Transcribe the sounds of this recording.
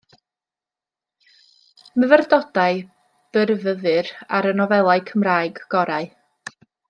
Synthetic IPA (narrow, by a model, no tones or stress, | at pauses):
məvərdɔd̥aɨ | b̥ərvəðɨɾaɾənɔvɛlˠaɨkʰəmraːɨɡ̥ːɔɾaɨ